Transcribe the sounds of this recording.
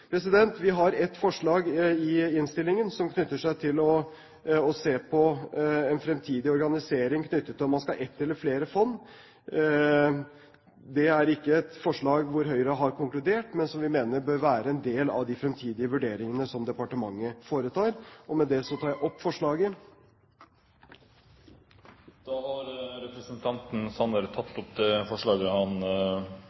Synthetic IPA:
pʰɾɛsɪd̪ɛnt̪ʋɪɦɑɾɛt̪ːfɔʂɭɑːɡɪɪnst̪ɪlːɪŋənsɔmkʰnʏt̪ːəʂæɪt̪ʰɪlɔ | ɔseːpʰɔɛnfɾɛmt̪ʰiːd̪ɪɔɾɡɑnɪseːɾɪŋkʰnʏt̪ʰːət̪ʰːɪɔmɑnskɑʔɛt̪ːɛlːəɾfleːɾəfɔnː | d̪ɛæɾɪkːəɛt̪fɔʂɭɑːɡʋʊɾɦœʏɾəɦɑɾkʰʊŋklʉd̪eːʈmɛnsɔmʋɪmeːnəɾbøːɾʋæːɾəɛnd̪eːlɑ̰ʋd̪ɪfɾɛmt̪ʰiːd̪ɪəʋʉɖeːɾɪŋənəsɔmd̪ɛpɑʈəmɑŋːəfoːɾət̪ʰɑːɾʔɔmɛd̪ɛsɔt̪ʰɑːjæɪʔɔpːfɔʂɭɑːɡə | d̪̥ɑːhɑɾɾɛpɾəsənt̪ʰɑnt̪n̩sɑnəɾət̪ʰɑt̪ːɔpd̪ɛfɔʂɭɑːɡəhɑn

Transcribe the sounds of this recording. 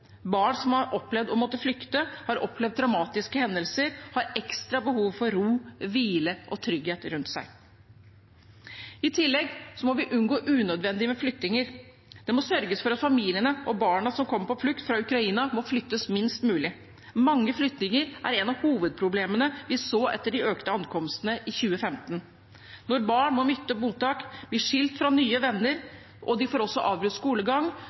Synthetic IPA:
bɑːɳsɔmɑɾʔɔpːlɛʋd̪ɔmɔt̪ːəflʏkt̪əhɑɾɔpʰːlɛvʋd̪ːɾɑmɑːt̪ɪskəhɛnd̪əlsəɾhɑɾɛkst̪ɾɑbəhuːʋfɔɾɾuːʋiːləʔɔt̪ʰɾʏɡheːt̪ɾʉnt̪sæ̰ɪ | ɪt̪ʰɪlːɛɡsɔmɔʋɪʔʉnɡoːʔʉːnœd̪ʋɛnd̪ɪmɛflʏk̚t̪ɪŋəɾ | d̪̥ɛmɔsœɾɡəsfɔɾɑt̪fɑmiːlɪənəʔɔbɑːɳɑsɔmkʰɔmːəpɔflʏkt̪fɾɑʉkɾɑiːnɑmɔflʏt̪ːəsmɪnst̪mʉːlɪ | mɑŋːəflʏt̪nɪŋəɾʔæ̰ɾɛnɑʋhuːʋəd̪̚pʰɾʊbleːmənəʋɪsoːʔɛ̰t̪ːəɖɪøːkt̪əɑnkʰɔmst̪ənəʔɪçʉːəfɛmt̪n | nɔɾbɑːɳmɔmʏt̪ːəmuːt̪ɑːkb̥lɪʂɪlt̪fɾɑnyːəʋɛnːəɾ | ʔɔd̪ɪfoːɾɔsːɔʔɑːʋbɾʉt̪skuːləɡɑŋː

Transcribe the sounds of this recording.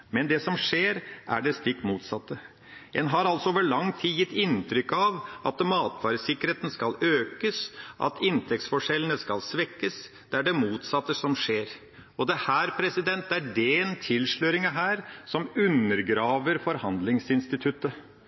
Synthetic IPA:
mɛnd̪ɛsɔmʂeːɾʔæ̰ɖɛst̪ɪkːmuːt̪sɑt̪ːə | ɛnɦɑɾɑlsɔoːʋəɭɑŋt̪ʰiːjɪt̪ːɪnt̪ʰɾʏkːɑʋʔɑt̪mɑːt̪fɑːɾəsɪkːəɾheːt̪ən̩skɑløːkəsʔɑ̰t̪ʰɪnt̪ʰɛk̚t̪sfɔʂɛlənəskɑlsʋɛkːəsd̪̥ɛæɖɛmuːt̪sɑt̪ːəsɔmʂeːɾ | ɔd̪ɛhæːɾpʰɾɛsɪd̪ɛnt̪̚d̪ɛæɖɛnt̪ʰɪlʂɭœɾɪŋəɦæːɾsɔmʉnːəɾɡɾɑːʋəɾfɔɾhɑnd̪lɪŋsɪnst̪ɪt̪ʰʉt̪ːə

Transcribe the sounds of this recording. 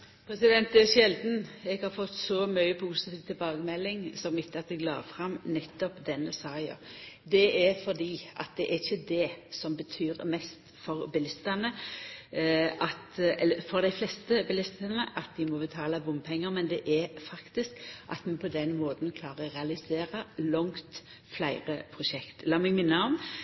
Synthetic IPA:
pʰɾɛsɪd̪ɛnt̪ɛʃɛld̪n̩ɛɡhɑɾfɔt̪ːsɔmyʏəpʰusɪt̪ʰiːʋt̪ʰɪlbɑːɡəmɛlːɪŋsɔmɪt̪ʰːɑt̪ɛɡlɑ̰ːfʁɑmnɛt̪ːɔpd̪ɛnːəsɑːjɑ̰d̪ɛɛɾfɔd̪iːʔɑ̰t̪̚d̪ɛʔæɾɪçəd̪ɛsɔmbət̪ʰyːɾmɛst̪ | fɔɾbɪlɪst̪ənə | ʔɑt̪ɛlːəfɔɾd̪æɪflɛst̪əbɪlɪst̪ənəʔɑt̪̚d̪ɪmɔbət̪ʰɑːləʋʊmpʰɛŋːəɾmɛnd̪ɛʔæɾfɑkt̪ɪskʔɑ̰t̪mɛpʰɔd̪ɛnmoːt̪nkʰlɑːʁəʁɛɑlɪseːɾəlɔŋt̪ | flæɪɾəpʰʁʊʃɛkt̪lɑːmɛɡmɪnːəɔm

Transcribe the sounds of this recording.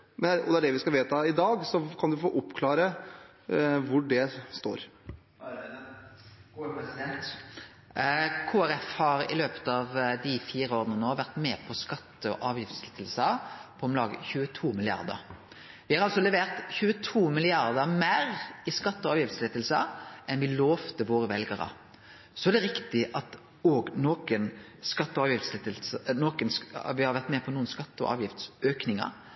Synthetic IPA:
mɛnɔd̪ɛæɖɛʋɪskɑlʋeːt̪ʰɑɪd̪ɑːɡsɔkʰɑnd̪ʉfoːʔʊpːkʰlɑːɾə | ʋʊɖɛst̪o̰ːɾ | kʰuːæɾɛfhɑɾɪ̰løːpə̥t̪ɑʋd̪ɪfiːɾəoːʁənənoːʋæʁt̪mɛːpʰɔskɑt̪ːəɔʔɑːʋjɪft̪slɪt̪əlsəpʰɔɔmlɑːɡə̰çʉːət̪ʰuːmɪlɪɑ̰ʁd̪ə̰ɾ | ʋɪhɑɾɑlsɔlɛʋeːʁt̪çʉːət̪ʰuːmɪlɪɑɾd̪əmæɾɪskɑt̪ːɔɑːʋjɪft̪slɪt̪əlsəʔɛnʋɪloːʋt̪əʋoːɾəʋɛlɡəɾɑ̰ | sɔæd̪ɛɾɪkt̪ɪʔɑt̪ | oːɡnoːkənskɑt̪ːɔɑːʋjɪft̪slt̪noːkənsʋɪhɑɾʋæʁt̪mɛpʰɔnuːənskɑt̪ːəɔ̰ʔɑ̰ːʋjɪft̪søːknɪŋɑ̰

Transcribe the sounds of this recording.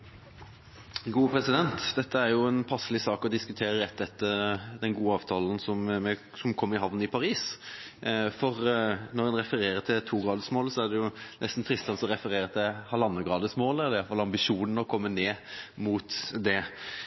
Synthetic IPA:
ɡuːəpʰɾɛsɪd̪ɛnt̪d̪ɛt̪ːəæɾjʊɛnpʰɑsːəlɪsɑːkɔd̪ɪskʉt̪ʰeːɾəɾɛt̪ːɛt̪ːəd̪ɛnɡuːəɑːʋt̪ʰɑːln̩sɔmmɛ | sɔmkʰɔmːəɾɪɦɑʋnəɪpʰɑɾiːs | fɔʁnɔɾɛnɾɛfəɾeːɾət̪ʰɪt̪ʰuːɡɾɑːd̪əsmoːlsɔæɖ̪ɛjʊnʔɛ̰st̪n̩t̪ʰɾɪst̪sɑnsɔɾɛfəɾeːɾət̪ʰɪlhɑlɑnːəɡʁɑːd̪əsmoːlæʁd̪ɛɪjɑlfɑlɑmbɪʂuːnn̩əɔkʰɔmːəneːmuːt̪d̪ɛ

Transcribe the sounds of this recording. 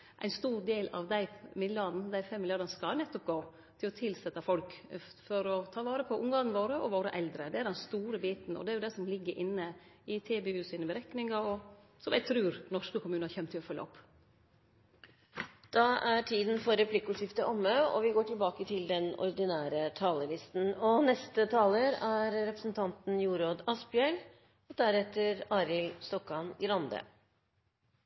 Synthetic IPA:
ʔæ̰ɪnst̪uːɾd̪eːlɑ̰ʋd̪æɪmɪd̪lɑd̪n̩d̪æɪfɛmːɪljɑːd̪ɑnəskɑnɛt̪ːɔp̚ɡoː | t̪ʰɪlɔt̪ʰɪlsɛt̪ːɑfɔlkfɔɾɔt̪ʰɑːʋɑːɾəpʰɔʔʊŋɡɑnnəʋoːɾəʔɔʋoːɾəʔɛld̪ɾəd̪ɛæɾd̪ɛnst̪uːɾəbiːt̪n̩ɔ̰d̪ɛæɾjʊd̪æɪsɔmlɪɡːəɾʔɪnːəɪt̪ʰeːbeːʉːsiːnəbəɾɛknɪŋɑɔ | sɔmæɪt̪ʰɾʉːɾnɔʂkəkʰʊmʉːnhɑɾçɛmt̪ʰːɪlɔfɔlːɑ̰ɔpː | d̪̥ɑʔæʈʰiːd̪n̩fɔɾɛpʰlɪkːəʊʈjɪft̪əʔɔmːəɔ̰ʋɪɡoːʈʰɪlbɑːkət̪ʰɪld̪ɛnɔ̰ɾd̪ɪnæːɾət̪ʰɑːləlɪst̪n̩ɔnɛst̪ət̪ʰɑːləɾæɾɾɛpɾə̥sn̩t̪ʰɑnt̪n̩juːɾoːd̪ɑspjœl | ɔd̪æɾɛt̪ːəɾɑːɾɪlst̪ɔkːɑnɡɾɑnd̪ə̰

